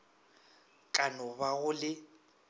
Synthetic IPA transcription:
kʼanɔβaɣʊlɪ

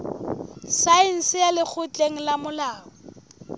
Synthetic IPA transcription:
saɪn̩sɪjalɪk͡xʰʊt͡ɬʼeŋ̩lamʊlaːŋɔ

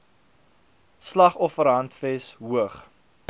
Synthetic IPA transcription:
slɐχɔfəɾɦɐntfɛsɦuəχ

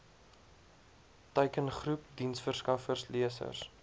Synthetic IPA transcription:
təɥkənχrup̚dinsfərskɐfərsliəsə̰rs

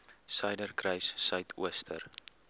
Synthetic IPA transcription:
sɛjdərkrɛjsːœɥtʰṵəstʰər

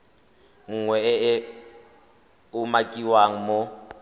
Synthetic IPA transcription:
ŋ̩ŋwɛɛɛ | umakʼiwaŋ̩mɔ

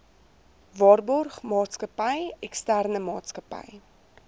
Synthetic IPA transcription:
vɑːrbɔrχmɑːtskəpəjɛkstærnəmɑːtskəpə̰j

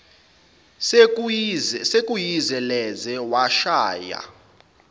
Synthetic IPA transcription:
zɛsekʼujizɛlɛzɛwaʃaːja̰

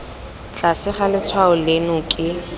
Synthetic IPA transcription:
t͡ɬʼasɪχalɪt͡sʰwaʊlenʊkʼɪ

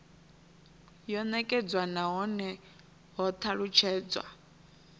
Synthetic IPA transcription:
jɔnɛkʼɛd͡zwanaɦɔnɛ | ɦɔt̪ʰaɺut͡ʃʰɛːd͡zwa̰

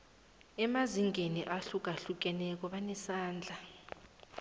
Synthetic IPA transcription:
ɛmaziŋʱeniʔaɬuk̬aɬuk̬ɛnɛk̬ɔɓanɛsaːnd͡ɮʱa

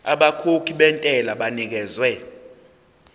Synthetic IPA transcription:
aɓakʰokʰiɓɛntʼɛlaɓanik̬ɛːzwɛ

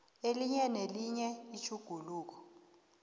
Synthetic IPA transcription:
eliɲɛneliɲɛit͡ʃʰuɡ̥ʱuluːk̬ɔ̥

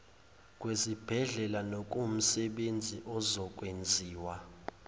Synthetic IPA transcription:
kʼwezib̥ʱɛɮɛlanokʼum̩sɛɓend͡zʱiʔɔzɔkʼwend͡zʱiːwa

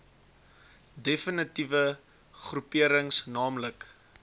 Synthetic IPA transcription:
defənətivə | χrupiəɾəŋsnɑːmlək

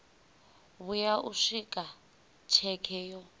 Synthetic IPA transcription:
βujaʔuʂikʼa | t͡ʃʰɛkʰɛːjɔ

